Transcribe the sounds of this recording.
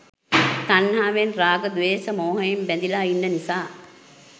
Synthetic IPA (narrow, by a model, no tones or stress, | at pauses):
t̪anːaːʋenraːɡəd̪uʋeːsəmoːɦəjembænd̪ilaːinːənisaː